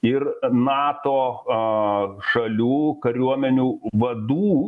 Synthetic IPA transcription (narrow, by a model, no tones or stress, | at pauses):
ɪrnɑːt̪oː | ʃɐlʲuːkɐɾʲuɔmʲɛnʲuːʋɐd̪uː